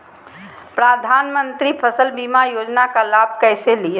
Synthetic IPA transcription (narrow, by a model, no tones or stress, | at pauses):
pɾad̪ʱaːnmə̃nt̪ɾipʰəsəlbimajoːd͡ʒnakalaːb̚kɛːseli